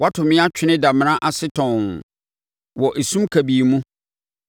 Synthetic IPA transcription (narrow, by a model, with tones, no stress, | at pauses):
wa˦tʰʊ̃˨mɪ̃˦a˦t͡ɕᶣʰɪ˦nɪ̃˦da˨m̃˨nã˦ʔa˨sɪ˦tʰɔ̃˨n | wɔ˨ʔe˨sũ˦mkʰæ˨bi˨mũ˦